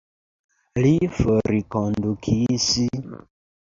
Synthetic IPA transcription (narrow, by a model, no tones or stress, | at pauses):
lifoɾikondukʰisi